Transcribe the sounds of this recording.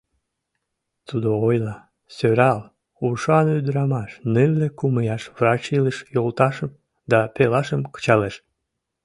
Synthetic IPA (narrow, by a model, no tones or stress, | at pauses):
t̪ud̪oojlɑ | søɾɑl | uʃɑnyd̪ɾɑmɑʃnɨβlekuməjɑʃβrɑt͡ɕiləʃjolt̪ɑʃəm | d̪ɑpelɑʃəmkə̥t͡ɕɑleʃ